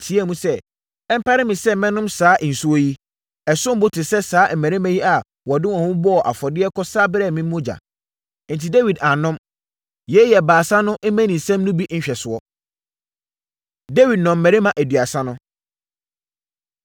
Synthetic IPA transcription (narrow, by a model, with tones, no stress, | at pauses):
tʰi˨˦æ˦˨mũ˦sɛ˦ | ɛ˦m̩˦pa˦ɾɪ˦mɪ̃˨sɛ˦mɛ̃˦nʊ̃˦msaː˨˦ʔn̩˨su˦o˦ji˦ | ɛ˨sʊ̃˦m̩˦bʊ˦tʰɪ˨sɛ˦saː˨˦m̩˨mæ̃˨ɾe˦mæ̃˦ji˦a˨ | wɔ˨dɪ˦wɔ̃˨hʊ̃˦bɔ˦ɔ˨ʔa̰˨fɔ˨dɪ˦ɛ˦kʰɔ˦saː˦bɪ˦ɾɛ˦˨mĩ˦mː˦ʊ̃˦d͡ʑa̰˨˦ | n̩˨tʰi˨de˦wi˨da˨nʊ̃˦m | jɛ˦jɛ˨baː˨sã˦nʊ̃˦ʔe˦mæ̃˦nĩ˨sæ̃˦m˦nʊ̃˦bi˦ʔn̩˦ɕᶣɛ˨sʊ˨ɔ˦ | de˦wi˨d̚nɔ̃˨m̩˨mɛ̃˨ɾe˦mã˨ʔæ˨dɥa˨sã˦nʊ̃˦